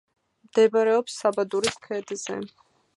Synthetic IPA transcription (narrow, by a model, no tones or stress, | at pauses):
md̪̥ɛbaɾɛɔpsːabad̪uɾiskʰɛd̪zɛ̰